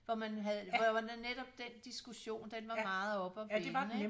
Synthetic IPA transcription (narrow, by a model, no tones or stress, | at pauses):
ʋɒmænɦæðˠɒ̥ʋɑdæned̥ɒ̽b̥̚d̥end̥isɡ̥uɕo̝̰ːnd̥enʋɑ̈mɑ̈ːð̞̩ˠɒ̽b̥ɒʋd̥eɑnə